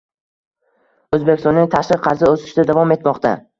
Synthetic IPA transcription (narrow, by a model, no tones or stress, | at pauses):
ɵzbekʲst̪ɒnːɪŋt̪ʰaʃqɨqqʰɑɾzɪɵsɪ̥ʃd̪ad̪avɒme̞t̪mɒqt̪ʰa